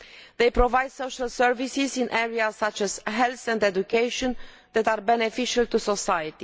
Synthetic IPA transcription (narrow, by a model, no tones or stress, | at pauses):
ðejpɾovajd̪soʃalsɛɹvisizĩnʔɛɹiasːat͡ʃɛz̥ɦɛlθɛ̃ndɛdukeɪʃɔ̃n | ðɛt̪aɹbɛnefiʃalt̪usosajət̪i